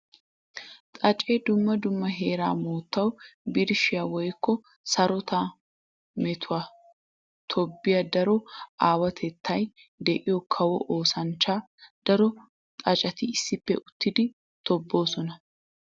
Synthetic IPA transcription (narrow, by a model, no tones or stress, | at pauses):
t̪ʼɐt͡ʃʼeːd̪ʊmːɐd̪ʊmːɐɦeːɾa̰ːmoːt̪ːɐwbɪɾʃɪjawɔjkːɔ | sɐɾɔt̪a | mɛt̪ʰʊwaː | t̪ʰɔbːɪjɐd̪ɐɾɔaːwɐt̪ʰɛt̪ːɐj | d̪ɛʔɪjɔkʰɐwɔ̰ʔoːsɐnt͡ʃːaː | d̪̥ɐɾɔ | t̪ʼɐt͡ʃʼɐt̪ɪɪsːɪpːɛ̰ʔʊt̪ːɪd̪ɪ | t̪ɔbːoːsɔnɐ